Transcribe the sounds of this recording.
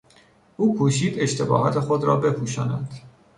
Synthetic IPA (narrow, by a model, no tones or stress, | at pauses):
ʔuːkʰuːʃiːd̪e̞ʃt̪ʰe̞bɒ̰ːɦɒt̪ʰe̞xod̪ɾɒːbe̞pʰuːʃɒːnæd̪̥